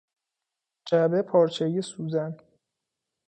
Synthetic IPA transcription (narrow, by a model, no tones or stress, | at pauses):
d͡ʒæbepʰɒːɾt͡ʃʰeijesuːzæn